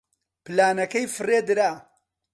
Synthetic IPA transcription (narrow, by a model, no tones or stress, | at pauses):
pɨlaːnɐkɐjfɨred̪ɨɾaː